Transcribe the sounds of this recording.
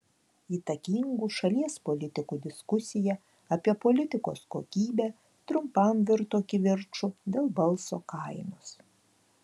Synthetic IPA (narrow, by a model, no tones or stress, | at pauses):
iːt̪ɐkʲɪŋɡuːʃɐlʲiɛspolʲɪt̪ʲɪkuːd̪ʲɪskʊsʲɪjɛ | ɐpʲiɛpolʲɪt̪ʲɪko̰ːsko̰ːkʲiːbʲæ | t̪ɾʊmpɐmʋʲɪɾt̪oːkʲɪʋʲɪɾt͡ʃʊd̪ʲeːlˠbɐlˠsoːkɐɪnos